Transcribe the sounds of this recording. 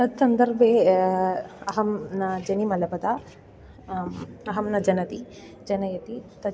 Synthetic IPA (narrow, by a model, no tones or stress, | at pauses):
t̪ɐd̪sɐnd̪ɐɾbʱe | ɐɦɐmnɐd͡ʒɐnimɐlɐpɐt̪a | ɐɦɐmnɐd͡ʒɐnɐt̪i | d͡ʒɐnɐjɐt̪it̪ɐ